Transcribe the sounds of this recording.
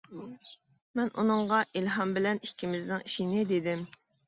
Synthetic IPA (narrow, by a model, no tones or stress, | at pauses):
mɛnṵnɨŋʁɑʔilɦɑmbɪlɛnikʲːimɪznɪŋiʃinɪd̪ed̪ɪm